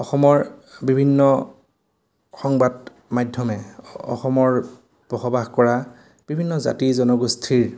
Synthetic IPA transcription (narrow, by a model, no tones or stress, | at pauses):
ɔxɔmɔɹbibʱinːɔ | xɔŋbad | majdʱːɔmɛɔ̰xɔmɔɹ | b̥ɔxɔbaxkɔɹa | b̥ibʱinːɔza̰tizɔnɔɡustʰiɹ